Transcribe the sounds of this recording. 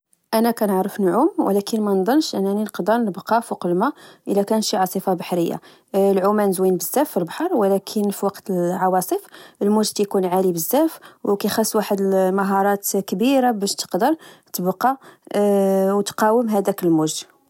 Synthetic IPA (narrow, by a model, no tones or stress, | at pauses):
ʔænækænəʕɾəfnʕumwə̰lækʰənmænd̪ˤɑnʃʔənːæninəqd̪əɾˤnəbqɑfoqəlmæʔəlːækænʃiʕɑsˤəfɑbɑħɾəjːa̰ | lʕumænzwinbəzːæfːəlbħɑɾˤwlækʰənfiwɑqt̪əlʕɑwɑsˤəfəlmʊʒd̪kæjkunʕalibəzːæfwkæjxæsːwaħəd̪əlmɑɦɑɾˤɑt̪kbiɾabæʃt̪ə̥qd̪əɾˤt̪əbqɑ | wt̪qɑwəmɦæd̪ækəlmuʒ